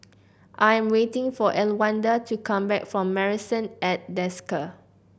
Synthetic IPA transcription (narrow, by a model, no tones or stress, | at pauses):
ʔajɛ̃mwetɪ̃ŋfɔʔɛlwãndətukʰãmbɛkfɹɔ̃mːɛɹisə̃nɛt̚dɛskə